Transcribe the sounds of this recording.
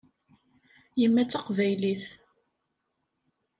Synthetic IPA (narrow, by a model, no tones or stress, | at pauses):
jəmːæt͡sːɑqvæjliθ